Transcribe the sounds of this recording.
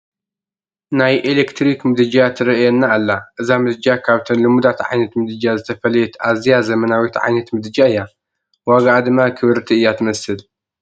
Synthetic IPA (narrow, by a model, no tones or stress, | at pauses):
najʔelekt̪ɾikmɨd̪ɨd͡ʒat̪ʰɨɾɐʔjɛnːaːlːaʔɨzamɨd̪ɨd͡ʒakʰaβt̪ʰɐnlɨmud̪at̪ʕa̰jnɐt̪mɨd̪ɨd͡ʒazɨt̪ʰɐfɐlɐjɛt̪ʔazijazɐmɐnawit̪ʕa̰jnɐt̪mɨd̪ɨd͡ʒaɨjːa | waɡaʔad̪ɨmːakʰɨβɨɾt̪ʰiɨjːat̪ʰɨmɐsɨl